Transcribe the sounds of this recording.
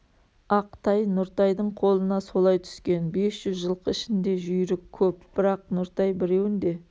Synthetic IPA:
ɑqt̪ɑjnʊɾt̪ɑjd̪əɴqʰo̞lˠənɑso̞lˠɑjt̪ʰʏ̥skʲe̞nbe̞sʒ̥ʏzʒəlˠqʰəɪʃɪnd̪e̞ʒʏjɾɪkʲʰːɵpb̥ɪɾɑq̚nʊɾt̪ɑjbɪɾe̞wɪnd̪e̞

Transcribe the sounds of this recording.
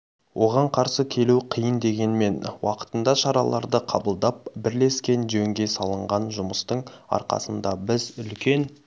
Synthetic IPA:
wʔo̞ʁɑɴqʰɑɾsəkʲʰe̞luqʰijənd̪e̞ɡʲe̞nme̞nwɑqə̥t̪ənd̪ɑʃɑɾɑ̰lˠɑ̰ɾd̪əqʰɑbəlˠd̪ɑp̚bɪɾle̞skʲe̞nʒɵŋɡʲe̞sɑlˠəɴʁɑnʒʊməst̪əɴɑ̰ɾqɑ̰sənd̪ɑbɪzʏlkʲe̞n

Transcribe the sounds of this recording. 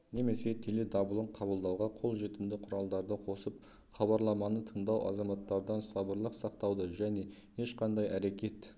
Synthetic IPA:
ne̞me̞se̞t̪ʰele̞d̪ɑbəlˠəɴqʰɑbəlˠd̪ɑwʁɑqʰo̞lˠʒe̞t̪ɪnd̪ɪqʰʊɾɑlˠd̪ɑɾd̪əqʰo̞səp | χɑβɑɾlˠɑmɑnət̪ʰəɴd̪ɑwʔɑ̰zɑmɑt̪ːɑɾd̪ɑnsɑbəɾlˠəqsɑqt̪ɑwd̪əʒæne̞ | je̞ʃqɑnd̪ɑjæɾe̞kʲe̞t̪

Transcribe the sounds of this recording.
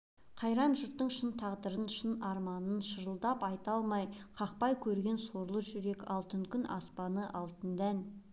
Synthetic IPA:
qʰɑjɾɑnʒʊɾt̪ːəɴʃənt̪ʰɑʁd̪əɾənʃənɑɾmɑnənʃəɾəlˠd̪ɑpɑjt̪ɑlˠmɑjqʰɑq̚pɑjkʲʰɵɾɡʲe̞nso̞ɾlˠəʒʏɾe̞kɑlˠt̪əŋkʲʰʏnʔɑspɑnəʔɑlˠt̪ənd̪æn

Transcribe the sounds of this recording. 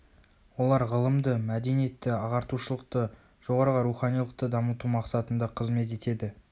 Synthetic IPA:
wo̞lˠɑɾʁəlˠəmd̪əmæd̪e̞nije̞t̪ːɪɑʁɑɾt̪uʃəlˠəq̚t̪ə | ʒ̥o̞ʁɑɾəʁəɾuχɑnijlˠəq̚t̪əd̪ɑmət̪umɑqsɑt̪ənd̪ɑqʰəzme̞t̪̬e̞t̪e̞d̪ɪ

